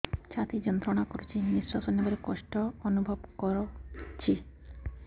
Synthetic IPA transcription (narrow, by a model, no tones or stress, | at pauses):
t͡ɕʰat̪id͡ʑɔnt̪ɾonakoɾet͡ɕʰinisɾasonːbaɾekɔʃʈoonubʱobkɔɾot͡ɕʰi